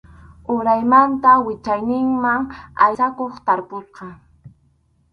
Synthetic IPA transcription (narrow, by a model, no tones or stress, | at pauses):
ʊɾajmant̪awɪt͡ʃajnɪŋmaŋa̰jakoχt̪aɾpʊsqɑ